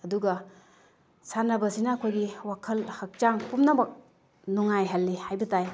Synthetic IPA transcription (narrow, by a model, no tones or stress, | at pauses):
ɐduɡɐ | sanabɐsinaːkʰojɡiwakʰɐlhak̚t͡ʃaŋpumnabɐk̚ | nuŋajɦalːihajbɐtaj